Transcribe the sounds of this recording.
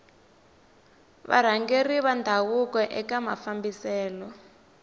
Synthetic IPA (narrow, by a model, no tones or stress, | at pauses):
βa̰ɾ̤aŋɡeriβandʱawukɔʔɛkama̰fambisɛːlɔ